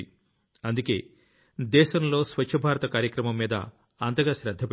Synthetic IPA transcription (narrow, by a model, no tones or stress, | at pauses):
i | ɐnd̪uke̞̰ː | d̪ɛːʃɐmlo̞ːsʋɐt͡ʃʰːɐbʱaːɾɐt̪ɐkaːɾjɐkɾɐmɐmːiːd̪ɐ̰ | ɐnt̪ɐɡaːʃɾɐd̪ʱːɐp